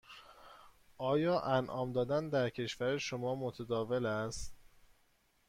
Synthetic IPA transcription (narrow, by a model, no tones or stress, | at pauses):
ʔɒːjɒːʔænʔɒːmd̪ɒːd̪ænd̪æɾcʰe̞ʃvæɾeʃomɒːmot̪ʰæd̪ɒːve̞læst̪